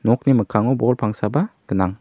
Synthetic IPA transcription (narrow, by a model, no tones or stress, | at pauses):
nɔk̚niməkʰaŋɔwbɔlpʰaŋsabaɡ̥ɯnaŋ